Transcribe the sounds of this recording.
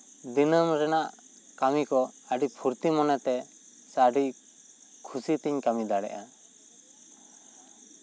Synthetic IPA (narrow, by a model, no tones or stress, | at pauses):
d̪inəmɾɛnaʔ | kamikɔəɖipʰuɾt̪imɔnɛt̪ɛ | saɖi | kʰusit̪iɲkamid̪aɽɛ̰ʔa